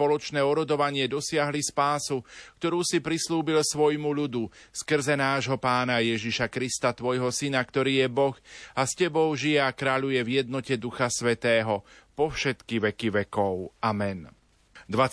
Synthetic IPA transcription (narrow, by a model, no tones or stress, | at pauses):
pɔlɔt͡ʃnɛːɔɾɔd̪ɔʋaɲɪɛd̪ɔsɪaɦlispaːsukt̪ɔɾuːsipɾisluːbilsʋɔjmuʎud̪uskr̩zɛnaːʒɦɔpaːnajɛʒiʃakɾist̪at̪ʋɔjɦɔsinakt̪ɔɾiːjɛbɔxascɛbɔʊʒijɛakɾaːʎujɛvjɛd̪̚nɔcɛd̪uxasʋɛt̪ɛːɦɔpɔfʃɛt̪kiʋɛkiʋɛkɔʊamɛn | d̪ʋa